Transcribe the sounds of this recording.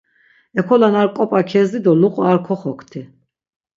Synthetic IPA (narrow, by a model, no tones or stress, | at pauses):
ɛkʰɔlanaɾkʼɔpʼakʰɛzid̪ɔluqʼɔaɾkʰɔχɔkʰt̪ʰɛ